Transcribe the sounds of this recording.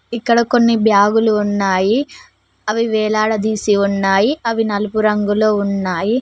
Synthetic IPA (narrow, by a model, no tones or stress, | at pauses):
ikːɐɽɐko̞nːibjaːɡuluːnːaːji | ɐʋiʋɛːlaːɽɐd̪iːsiunːaːjiɐʋinɐlupuɾɐŋɡulo̞ːunːaːji